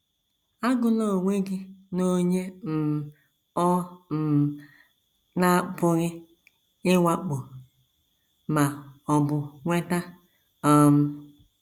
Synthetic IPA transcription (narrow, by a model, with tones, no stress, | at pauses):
a˦ɡʊ˦no˦˨ŋʷe˦ɡɪ˦no˦ɲe˦m̩˨ | ɔ˦m̩˨ | na˦bʊ˦ɣɪ˦ | ɪ˦wa˦k͡pʊ˨ | ma˨ɔ˨bʊ˨ŋʷe˦ta˦ | ɔ˦m̩˦